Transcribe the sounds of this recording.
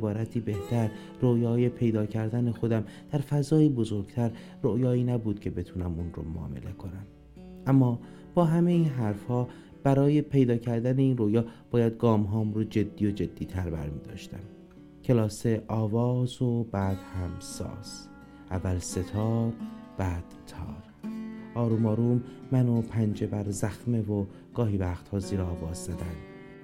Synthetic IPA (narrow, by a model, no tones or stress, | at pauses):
bɒːɾæt̪ʰiːbe̞ht̪ʰæɾ | rojɒːje̞pʰe̞jd̪ɒːcʰæɾd̪ænexo̞d̪æmd̪̥æɾfæzɒːjiːbo̞zoɾɡ̥t̪ʰæɾ | rojɒːiːnæbuːd̪̥̚cʰe̞be̞t̪ʰuːnæmunɾo̰mmɒ̰ːme̞̰le̞kʰo̞næm | ʔæmːɒː | b̥ɒːɦæme̞iːnɦæɾfhɒː | b̥æɾɒːje̞pʰe̞jd̪ɒːcʰæɾd̪æne̞iːnrojɒːb̥ɒːjæd̪̚ɡɒːmɦɒːmɾod͡ʒe̞d̪ːiːjo̞d͡ʒe̞d̪̥ːiːt̪ʰæɾbæ̰ɾmiːd̪ɒ̰ːʃt̪æ̰m | cʰe̞lɒːse̞ʔɒːvɒːzobæd̪̥hæmsɒ̰ːs | ʔævːælse̞t̪ʰɒːɾb̥æd̪̥t̪ʰːɒ̰ːɾ | ʔɒːɾuːmɒːɾuːmːænopʰænd͡ʒe̞bæɾzæxme̞vo | ɡ̥ɒːɦiːvæːxt̪hɒːziːɾɛɒːvɒːzzæd̪ænd̪